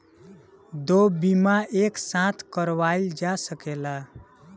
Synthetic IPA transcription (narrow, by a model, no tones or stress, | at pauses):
d̪obimaʔeksãt̪ʰkəɾʋaild͡ʒasəkela